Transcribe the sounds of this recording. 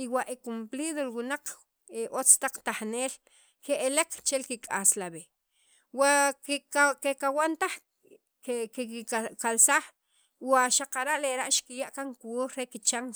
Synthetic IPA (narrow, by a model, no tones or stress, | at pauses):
iwaʔekumpliðolwunaq͡χ | eʔot͡st̪aq͡χt̪aχneːl | keʔeleq͡χt͡ʃelkikʼaslaβe | wakkkekawant̪aχ | ekekalsaχ | waʃaqaɾaʔleɾaʔʃkijaʔkaŋkwoɾɾekit͡ʃaŋ